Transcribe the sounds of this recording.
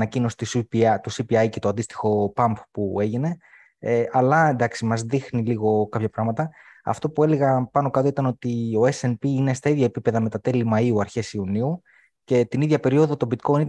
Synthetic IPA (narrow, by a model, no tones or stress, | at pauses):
nɐcino̞si̥t̪ispit̪usipiɐjce̞t̪oɐnd̪ist̪i̥xo̞pɐmppue̞ʝine̞ | eʔɐlɐend̪ɐksimɐzðixniliɣo̞kɐpçɐpɾɐɣmɐt̪ɐɐ̰ft̪o̞pue̞le̞ɣɐpɐno̞kɐt̪o̞it̪ɐno̞t̪io̞e̞senpiine̞st̪ɐiðʝɐe̞pipe̞ðɐme̞t̪ɐt̪e̞limɐiuɐɾçe̞siuniu | ce̞t̪iniðʝɐpe̞ɾio̞ðo̞t̪o̞bit̪koni